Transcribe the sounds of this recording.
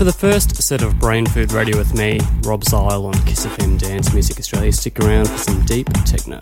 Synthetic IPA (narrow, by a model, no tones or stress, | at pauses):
fə˞ðəfɜ˞stsɛɾʌvbɹẽɪ̃nfʉd̚ɹeɪɾiwɨðmiɹɑbzaɪlˠə̃nkʰɪsɨfɪ̃mdæ̃nsmjʉzɨkɨstɹ̥eɪlˠɨstɪkə˞ãʊ̃nd̥fə˞sʌ̃mdiptʰɛ̰k̚no̰ʊ